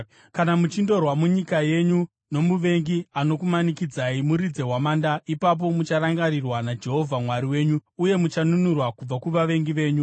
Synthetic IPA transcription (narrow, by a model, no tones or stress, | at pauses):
kanamut͡ʃindo̞rwamuɲikaje̞ɲu | no̞muʋe̞ŋɡiano̞kumanikid͡zaimuɾid͡ze̞ɦwamaːndaipap̬o̞mut͡ʃaɾaŋɡarirwanad͡ʒe̞ɦo̞vʱamwaɾiwe̞ːɲuːje̞mut͡ʃanunurwakub͡vakuʋaʋe̞ŋɡiʋe̞ːɲu